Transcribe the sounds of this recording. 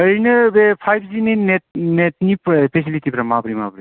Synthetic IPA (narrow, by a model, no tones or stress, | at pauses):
əjnɯbepʰajbʰzinɯnenet̚nipɾpʰesilitipɾamabɾima̰bɾi